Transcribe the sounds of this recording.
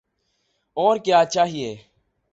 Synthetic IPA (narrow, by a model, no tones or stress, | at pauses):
ɔːɾkjaːt͡ʃaːɦieː